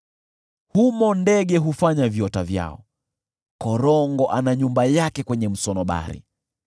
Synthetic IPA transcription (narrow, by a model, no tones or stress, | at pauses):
humɔndɛɠɛɦufaɲavjɔtavja̰ɔ | kɔɾɔŋɡɔʔanaɲumbajakɛkwɛɲɛm̩sɔnɔɓa̰ɾḭ